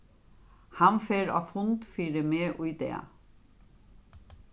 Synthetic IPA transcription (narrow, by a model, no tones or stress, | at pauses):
hɑnfeːɾɑ̰ːfʊnt̪fiːɾəmeːʔʉːd̪ḛː